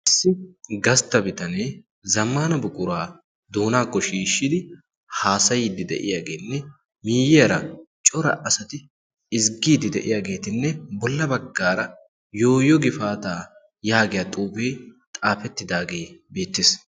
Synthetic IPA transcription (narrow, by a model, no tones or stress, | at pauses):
ʔɪsːɪɡɐst̪ɐbɪt̪ɐneː | zɐmːaːnɐbʊkʼʊɾaː | d̪oːnaːkːɔʃiːʃːɪd̪ɪ | haːsɐjiːd̪ɪd̪ɛ̰ʔɪ̰jaːɡe̞ːnːɛ | miːjɪjɐɾɐt͡ʃʼɔɾɐ̰ʔɐsɐt̪ɪ | ɪzɡiːd̪ɪd̪ɛʔɪ̰jaːɡe̞ːt̪ɪnːɛbɔlːɐbɐɡːaːɾɐ | jo̞ːjɔɡɪfaːt̪aː | jaːɡɪjɐt̪ʼuːfeːt̪ʼaːfɛt̪ːɪd̪aːɡe̞ːbe̞ːt̪ːɪːs